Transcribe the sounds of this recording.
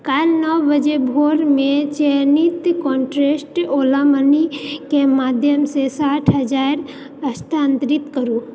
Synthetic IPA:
kalnəwbəd͡ʒebʱoɾmẽt͡ʃenit̪kɔɳʈɾesʈoːlamənikemaːd̪ʱjəmsesaʈʰɦəd͡ʒaɾ | əst̪ʰant̪ɾit̪kəɾu

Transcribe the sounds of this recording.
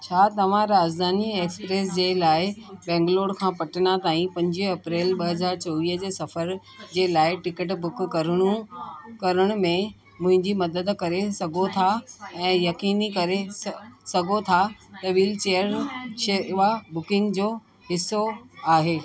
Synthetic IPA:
t͡ɕʰaːt̪ɐʋ̤ãɾaːd͡ʑd̪ʱaːnieːkspɾeːs̬d͡ʑeːlaːɪbɛ̃ːŋɡloːɽkʰãːpɐʈənat̪aːĩpɐ̃ɲd͡ʑiɦɐpɾeːlɓɐɦɐzaːɾt͡ɕɐʋiːɦəd͡ʑeːsɐfəɾ | d͡ʑeːlaːɪʈɪkəʈ̬bʊkkɐɾəɽ̃ukɐɾəɽ̃ʊmẽ | mʊ̃ɦɪ̃ɲd͡ʑimɐd̪əd̪kɐɾesɐɡʱot̪ʰaɛ̃ːjɐkiːnikɐɾesɐɡʱot̪ʰat̪ɐʋiːlt͡ɕejəɾʃeʋabʊkɪ̃ŋɡd͡ʑoː | ɦɪsːoaːɦeː

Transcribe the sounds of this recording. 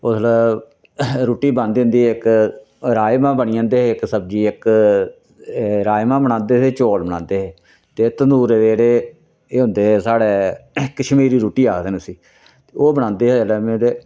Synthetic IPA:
oːsələ | ɾuːʈiːbə̃nd̪ɦʊ̃nd̪iːɪk | ɾaːɪmãːbəniːãːnd̪eːɪksəb̚d͡ʒiːɪk | ɾaːjmãːbəñãːnd̪eːteːt͡ʃoːlbənãːnd̪eːɦeː | t̪eːt̪ənd̪uːɾeʋeːɾeː | ɦʊ̃nd̪eːsaːɽeːkːəʃmiːɾiːɾuːʈiːaːkʰd̪eːnsiː | eoːbənãːnd̪eːlɛːmẽt̪eː

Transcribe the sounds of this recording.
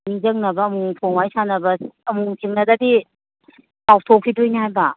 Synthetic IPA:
niŋzɐŋnɐbɐːmuŋpʰoŋwajsanɐbɐɐmuŋtʰiŋnɐdadi | paw̚tʰokʰidujnihajbɐ

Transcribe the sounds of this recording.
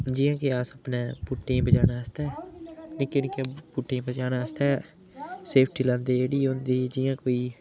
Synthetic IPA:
d͡ʒɪːãːkeaːsəpnẽːbʊʈːẽːbəd͡ʒaːnaːəst̪aɛːnɪkːenɪkːepʊʈːẽbəd͡ʒaːnaːəst̪aɛ | seːpʰʈiːlãːnd̪eːeːɽiːõːnd̪iːd͡ʒɪjãːkoːiː

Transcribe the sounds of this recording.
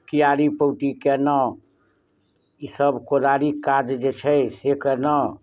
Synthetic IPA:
kijaɾipəwʈikɛnə | isəbkod̪aɾikad͡ʒd͡ʒet͡ʃʰɛsekɛnə

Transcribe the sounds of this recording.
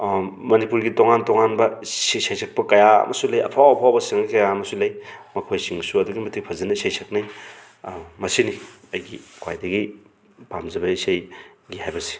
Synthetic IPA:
mɐnipuɾɡitoŋantoŋanbɐsisajsʰɐk̚pɐkɐjaɐ̰mɐ̰sulɐjɐ̰pʰawɐpʰawbɐsiŋlɐjkɐjaɐmɐsulɐjmɐkʰojsiŋsuɐduɡimɐtʰik̚pʰɐzɐnɐisajsʰɐk̚naj | mɐsini | ɐjɡikʰwa̰jdɐɡi | bamzɐbɐisajɡihajbɐɾsi̥

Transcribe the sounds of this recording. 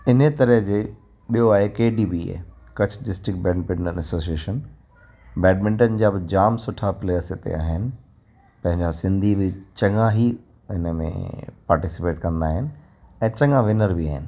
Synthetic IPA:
ɪnət̪ɐɾəɦd͡ʑeː | ɓijoaːɦekeːɖiːbiːḛ | kɐt͡ɕʰɖɪsʈɾɪk̚bɛ̃ːɳɖ̚pɪɳmə̃nɐsoːsieːʃən | bɛːɖmɪ̃ɳʈənɪ̆d͡ʑaːbɪd͡ʑaːmsʊʈʰapɪleːəɾsɪt̪ḛa̰ːɦɪnɪ̆ | pɐ̃ɦɪ̃ɲd͡ʑasɪ̃nd̪ʱibɪt͡ɕɐŋãɦi | ɪnəmḛ̃paːɾʈɪsɪpeːʈkɐ̃nd̪aːɦɪnɪ̆ | ɛ̃ːt͡ɕɐ̃ŋãʋɪnəɾbia̰ːɦɪnɪ̆

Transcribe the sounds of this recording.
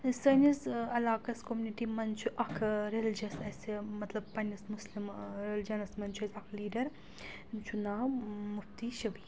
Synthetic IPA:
sɐnisɐlaːkɐskomuniʈimɐnt͡ʃʰuʔɐkʰɾeld͡ʒɐsɐsemɐt̪lɐbpɐnʲɐsmuslimɾeld͡ʒɐnɐsmɐnʲt͡ʃʰuɐzʲɐkʰliːɖɐɾ | nt͡ʃʰunaːmuft̪iʃɐbi

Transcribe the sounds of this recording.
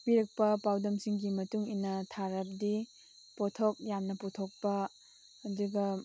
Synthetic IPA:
piɾɐk̚pɐpawdɐmsiŋɡimɐtuŋinɐtʰaɾɐp̚di | pɔtʰok̚jamnɐputʰok̚pɐː | duɡɐ

